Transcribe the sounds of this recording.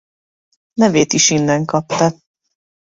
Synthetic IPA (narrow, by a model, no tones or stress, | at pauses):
nɛveːt̪iʃinːɛŋkɒpt̪ɒ